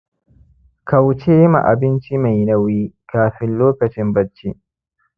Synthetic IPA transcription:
kɐ˨wt͡ʃe˦ma̰˨ʔa̰˨bɪ˦nt͡ʃi˦ma˨jnɐ˦wiː˦kaː˨ɸɪ˦nloː˦kɐ˨t͡ʃɪ˦mbɐ˦t͡ʃːi˦ʔ

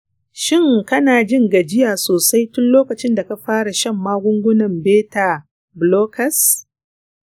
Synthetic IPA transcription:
ʃɪ˦ŋkɐ˦naː˨d͡ʒɪ˦ŋɡa˨d͡ʒɪ˦jaː˨soː˨sa˦jtʊ˦nloː˦kɐ˨t͡ʃɪ˦nda˨ka˦ɸaː˦ɽa˨ʃɐ˦mːaː˦ɡʷʊ˦ŋɡʷʊ˦nɐ˨mbeː˦ta˨ | bloː˦kʰɐ˨s

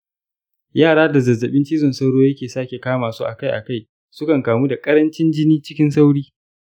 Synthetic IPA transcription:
jaː˦˨ɽaː˦da˨zɐ˨zːɐ˨ɓɪ˦nt͡ʃiː˦zɔ˨nsa˦wɽoː˦jɐ˦kʲeː˨saː˦kʲe˨kaː˦maː˨su˦ʔa̰˨ka˦jʔa˨ka˦˨j | sʊ˦kɐ˨ŋkaː˨mu˦da˨kʼɐ˦ɾɐ˦nt͡ʃɪ˦nd͡ʒɪ˦niː˦t͡ʃɪ˦kʲɪ˦nsa˦wɽiː˦

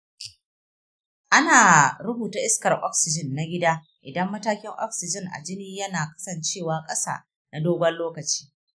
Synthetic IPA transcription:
ʔa˦naː˨ɾʊ˦buː˨taː˦ʔɪ˦skɐ˨rʔɔ̰˦ksɪ˨d͡ʒɪ˦˨nːa˦ɡʲɪ˦daː˦ | ʔɪ˨dɐ˦mːɐ˦taː˦kʲɪ˦ŋʔɔ̰˦ksɪ˨d͡ʒɪ˦ŋʔa̰˨d͡ʒɪ˦niː˦jɐ˦naː˨kɐ̥˦sɐ˨nt͡ʃeː˦˨waː˨kʼɐ˦sa̰ː˦˨ | na˨doː˦ɡʷɐ˦nloː˦kɐ˨t͡ʃi̥ː˦

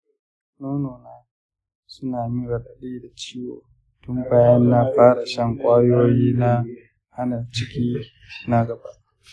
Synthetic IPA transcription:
noː˦noː˨naː˦ | sʊ˦naː˨mɪ˦ɾa˨ɗa˨ɗiː˦da˨t͡ʃiː˦wo̰ː˨ | tʊ˦mbaː˦jɐ˦nːa˦ɸaː˦ɽa˨ʃɐ˦ŋkʷʼaː˦joː˦jiː˦na˦ | ha˦na˨t͡ʃɪ˦kʲiː˦ | na˦ɡɐ˨ba˦ʔ

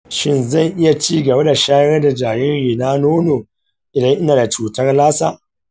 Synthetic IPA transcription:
ʃɪ˦nzɐ˦˨ŋʔɪ˦ja˨t͡ʃiː˦ɡɐ˨ba˦da˨ʃaː˦ɐ˦da˨d͡ʒaː˨jɪ˦ɣiː˨naː˦noː˦noː˨ | ʔɪ˨dɐ˦ŋʔɪ˦naː˨da˨t͡ʃuː˨tɐ˦rlaː˦sa̰ː˦

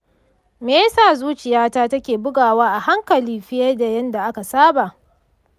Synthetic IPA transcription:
meː˦saː˦˨zuː˦t͡ʃɪ˨jaː˦taː˦tɐ˦kʲeː˨bʊ˦ɡaː˨waː˦ʔa˨ha˦ŋkɐ˨liː˦ɸɪ˦jɐ˦da˨jɐ˦nda˨ʔa˦ka˨saː˦ba˨ʔ

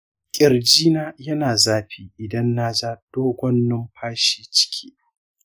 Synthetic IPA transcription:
kʲʼɪ˨rd͡ʒiː˦naː˦jɐ˦naː˨zaː˦ɸiː˦ʔɪ˨dɐ˦nːa˦zaː˦d̥oː˦ɡʷɔ˦nːɪ˦mɸʰaː˦ʃiː˦t͡ʃɪ̥˦kʲʰi̥ː˦

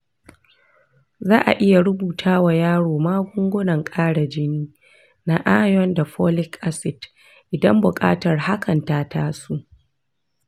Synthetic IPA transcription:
zaː˦ʔa̰˨ʔɪ˦ja˨ɾʊ˦buː˨tʰaː˦wa˨jaː˦ɽoː˨maː˦ɡʷʊ˦ŋɡʷʊ˦nɐ˨ŋkʼaː˦ɽa˨d͡ʒɪ˦niː˦ | na˦ʔa˦jɔ˦nda˨ɸɔ˦lɪ˦kʔa˦sɪ˨d | ʔɪ˨dɐ˦mbʊ˨kʼa̰ː˦tɐ˨rha˦kʰɐ˨ntaː˦taː˦su˦ʔ

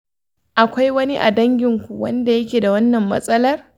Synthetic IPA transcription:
ʔa˨kʷa˦jwɐ˦ni˦ʔa̰˨dɐ˦ŋɡʲɪ˨ŋkʷu˨wɐ˦nda˨jɐ˦kʲeː˨da˨wɐ˦nːɐ˨mːɐ̰˦sʼɐ˦lɐ˦r

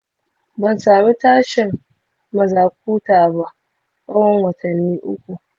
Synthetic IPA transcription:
bɐ˨nsaː˨beː˦taː˦ʃɪ˨ŋ | mɐ˨zaː˨k̚ʷuː˦taː˨ba˦ʔ | ka˦wɐ˦ŋwɐ˨tʰɐ˨nːiː˦ʔʊ˦kʷu˨

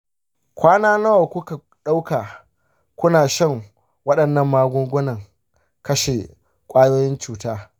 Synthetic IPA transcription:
kʷaː˦naː˦nɐ˦wa˨kʷʊ˦ka˨ | ɗa˦wka˨ | kʷʊ˦naː˨ʃɐ˦˨ŋ | wɐ˦ɗɐ˨nːɐ˦˨mːaː˦ɡʷʊ˦ŋɡʷʊ˦nɐ˨ŋ | kɐ˦ʃe˨ | kʷʼaː˦joː˦jɪ˦nt͡ʃuː˨taː˦

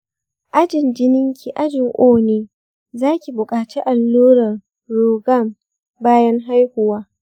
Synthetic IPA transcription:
ʔa˦d͡ʒɪ˨nd͡ʒɪ˦nɪ˦ŋkʲi˨ʔa˦d͡ʒɪ˨ŋʔoː˦neː˦˨ | zaː˦kʲi˨bʊ˨kʼaː˨t͡ʃiː˦ʔa˨lːuː˦ɾɐ˨r | ɾoː˨ɡɐ˦˨m | baː˦jɐ˦ŋɦa˦jhʊ˨waː˦

